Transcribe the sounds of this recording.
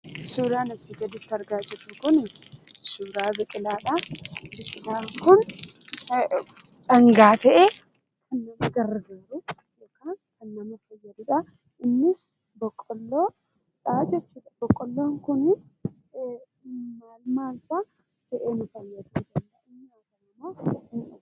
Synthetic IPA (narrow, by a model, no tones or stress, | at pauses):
suːɾaːnɐsiɡɐd̪ɪt̪ːɐɾɡaːd͡ʒɛt͡ʃːʊkʊnɪsuːɾaːbɛkʼɪlaːᶑɐbɪkʼɪlaːŋkʊn | ᶑɐŋɡaːt̪ɛʔe | kʰɐnːɐmɐɡɐrːɐɡɐbɾʊ | joːkaːnkɐnːɐmɐfɐjːɐd̪ɪᶑɐ | ɪnːɪs | bɔkʼːɔlːoː | ᶑad͡ʒɛt͡ʃːuːᶑɐbɔkʼːɔlːoːŋkʊn | maːlmaːlt̪a | t̪ɛʔeːnʊfɐnjɐd̪uːd̪ɐlːɐɪnːɪaːɡɐnɐmoɪn